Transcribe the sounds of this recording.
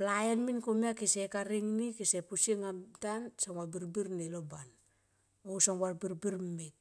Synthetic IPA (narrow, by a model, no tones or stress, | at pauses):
plajenminkomiakisekaɾiŋnikisepusiŋatansaŋwabiɾbiɾneloban | ousaŋwaɾbiɾbiɾmmit̚